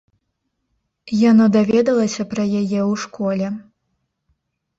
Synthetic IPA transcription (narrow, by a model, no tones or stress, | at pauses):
janɔd̪avʲɛd̪ɐlˠɐsʲɐpɾɐjajɛwʂkɔlʲɛ